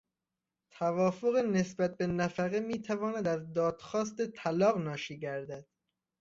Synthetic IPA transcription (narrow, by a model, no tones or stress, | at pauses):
t̪ʰævɒːfoɣene̞sbæt̪̚benæfæɣemiːt̪ʰævɒːnæd̪æzd̪ɒːd̪̥xɒːst̪et̪ʰælɒːɣnɒːʃiːɟæɾd̪æd̪̥